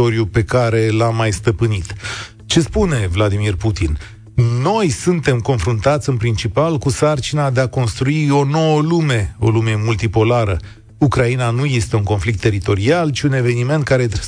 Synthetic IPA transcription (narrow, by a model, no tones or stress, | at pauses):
o̞ɾjupe̞kaɾe̞lamːajst̪əpɨnit̪ | t͡ʃe̞spune̞vlad̪imirput̪in | no̞jsunt̪e̞mko̞nfɾunt̪at̪sʲɨnpɾint͡ʃipalkusart͡ʃinad̪e̞ako̞nst̪ɾuio̞no̞wəlume̞o̞̰lume̞mult̪ipo̞laɾə | ukɾainanuje̞st̪e̞uŋko̞nflik̚t̪ːe̞ɾit̪o̞ɾialt͡ʃiune̞ve̞nime̞nt̪̚kaɾe̞